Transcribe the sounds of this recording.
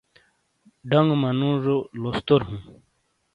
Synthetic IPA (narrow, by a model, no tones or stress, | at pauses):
ɖaŋɡmɐnũːʐolost̪oɾɦũː